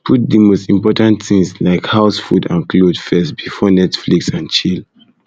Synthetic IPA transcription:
pʰut̚dəmostĩmpɔtãntθĩŋslaɪkhaʊsfudã̰nkʰlodfɛstb̥ifɔnɛtfliksãnt͡ʃil

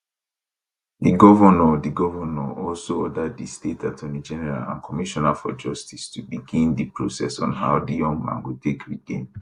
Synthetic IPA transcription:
diɡɔvanɔdiɡɔvanɔɔlsoɔdaddistetatʰɔnid͡ʒɛnɛɹa̰lã̰nkʰɔmiʃɔnafɔ̰d͡ʒɔstistubiɡĩndipɹosɛsɔ̰̃nɦaʊdijɔ̃ŋmã̰nwutekɹidẽn

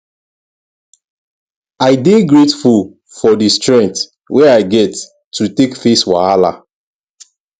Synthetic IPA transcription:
aɪdeɡɹetful | fɔdistɹɛ̃nt | wɛaɪɡɛtː | utekfeswa̰ala̰

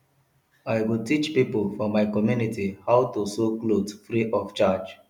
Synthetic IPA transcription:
aɪwiltit͡ʃpipolfɔmaɪkɔmjunitʰihaʊtusoklotfɾiʔɔft͡ʃad͡ʒ

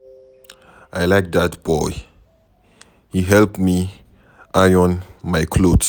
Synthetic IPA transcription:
ʔajlajk̚datb̥ɔj | hiɦɛlpmi | ʔajɔ̃nmajkʰlods

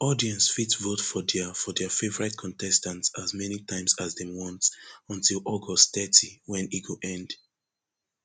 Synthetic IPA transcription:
ɔdiɛ̃nsfitvotfɔdɛfɔdɛfevɔɹɛtkʰɔ̃ntɛstãntsazmɛnitãɪ̃msazdɛwɔ̃ntɔ̃ntilʔɔɡɔstθɛtʰiwɛ̃niɡoʔɛ̃nd

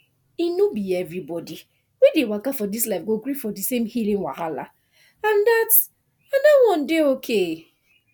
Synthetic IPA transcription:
inubievɾibɔdi | widewakafɔdislaɪfɡoɡɾifɔdisẽmhilĩŋwa̰ɦala̰ | andat | andawɔ̃n̩deokʰe

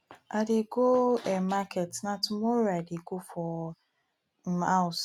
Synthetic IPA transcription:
adeɡoɛmakɛtnatʊmɔɾadeɡofɔ | aʊs

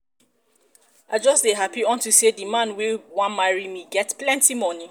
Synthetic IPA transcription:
ʔaɪd͡ʒɔsdeɦapiɔ̃ntusedimãnwiwãnmaɹimiɡɛtplɛ̃ntimɔni

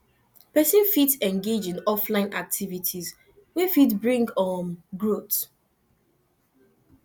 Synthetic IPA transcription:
pɛsə̃nfitsɛ̃nɡed͡ʒĩnɔflãɪ̃nʔak̚tʰivitʰiz | wifitbɹĩŋɡɔmɡɹot

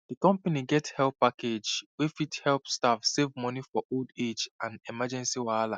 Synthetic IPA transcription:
dikɔ̃mpaniɡɛthɛlppaked͡ʒwefithɛlˠpstafsevmɔnifɔʔolded͡ʒãnɛmad͡ʒɛ̃nsiwala

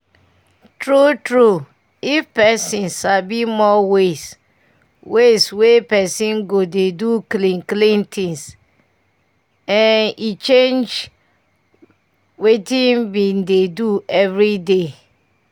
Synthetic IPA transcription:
tɹutɹu | ifpɛsĩnsabimɔwes | weswepɛsĩnɡodeduklĩnklĩntʰĩŋs | ɛ̃nit͡ʃẽnd͡ʒ | wetĩnbĩndeduɛvɹide

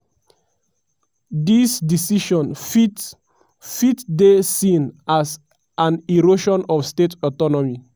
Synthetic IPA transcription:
disdisiʃɔ̃n | fitdesĩnas | ãniɹoʃɔ̃nɔfstetʰɔtɔnɔmi

